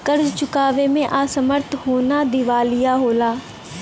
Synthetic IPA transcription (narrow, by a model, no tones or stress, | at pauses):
kəɾd͡ʒt͡ʃʊkaːʋemẽʔaːsəməɾt̪ʰɦoːnad̪ɪʋaːlɪjaɦoːlaː